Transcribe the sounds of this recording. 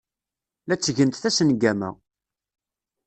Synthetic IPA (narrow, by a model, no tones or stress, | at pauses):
læt͡sːəʝənt̪θæsənɡæmæ̰